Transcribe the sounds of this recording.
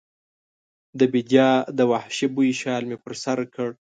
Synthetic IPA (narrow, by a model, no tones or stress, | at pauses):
d̪əbid̪jɑd̪əwahʃebujiʃɑːlmepəɾsaɾkʰəɽ